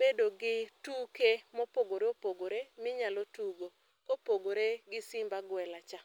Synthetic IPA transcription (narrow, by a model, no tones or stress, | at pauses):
bedoɡɪtukemɔpoɡoɾeopoɡoɾemɪɲalotuɡo | kopoɡoɾeɡɪsɪmbaɡwɛlat͡ʃa